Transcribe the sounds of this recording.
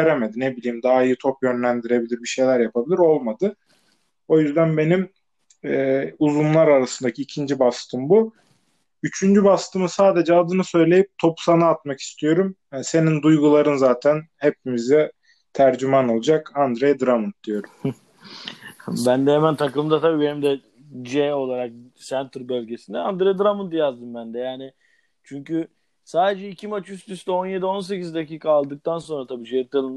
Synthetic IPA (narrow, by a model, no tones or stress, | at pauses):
eɾeme̞d̪ine̞bilʲiːimd̪aaijɯt̪ʰo̞pjø̞nlʲænd̪iɾe̞bilʲiɾbiʃe̞jlʲæɾjapʰabilʲiɾo̞lˠmad̪ɯ | o̞jyzd̪ænbe̞nim | ɛuzumlˠaɾaɾasɯnd̪acʰiːcʰind͡ʒibast̪ʰɯmbu | yt͡ʃʰynd͡ʒybast̪ʰɯmɯsaːd̪e̞d͡ʒɛad̪ɯnɯsø̞jlʲe̞jip̚t̪ʰo̞psanaːt̪maki̥st̪ʰijo̞ɾumse̞nind̪ujɡulˠaɾɯnzaːt̪ʰænhe̞p̚imizɛ | t̪ʰæɾd͡ʒymano̞lˠud͡ʒakand̪ɾejd̪ɾamunt̪̚d̪̥ijo̞ɾum | bænd̪ɛɦɛmænt̪ʰaklˠɯmd̪at̪ʰabiːbenimd̪ɛ | d͡ʒɛo̞lˠaɾak̚sænt̪ɾbølʲɟe̞sind̪ɛand̪ɾejd̪ɾamunt̪jazd̪ɯmbænd̪ɛjaːnɪ | t͡ʃʰyɲcy | saːd̪ed͡ʒɛicʰimat͡ʃjyst̪ʰyst̪ɛo̞nje̞d̪io̞ns̬e̞cizd̪aciːkʰaːlˠd̪ɯk̚t̪ʰanso̞nɾat̪ʰabiːd͡ʒet̪ːalˠɯn